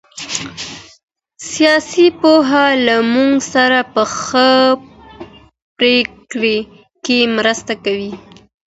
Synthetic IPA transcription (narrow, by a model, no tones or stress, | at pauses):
sijɑsipoɦalamuŋɡsaɾapəxə | pɾekɽe | kemɾəst̪akawi